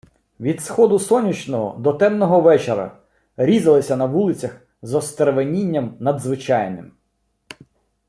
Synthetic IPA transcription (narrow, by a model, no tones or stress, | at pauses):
ʋʲid̪sxɔd̪ʊsɔnʲːit͡ʃnɔɦɔ̰d̪ɔt̪ɛmnɔɦɔʋɛt͡ʃeɾɐ̰ | ɾʲizɐlˠɪsʲɐnɐʋulˠɪt͡sʲɐx | zɔst̪eɾʋenʲinʲːɐmnɐd̪zʋɪt͡ʃɑjnɪ̰m